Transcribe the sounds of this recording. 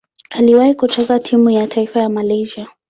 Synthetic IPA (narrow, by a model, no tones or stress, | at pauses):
aliwahikutɔzatʰimujatʰaifajamalɛʒia